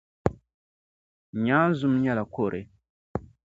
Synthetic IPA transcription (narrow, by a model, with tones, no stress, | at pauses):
ɲaː˦n˦zʊ˦mɲɛ˦la˨ko˦˨ɾʔɨ˨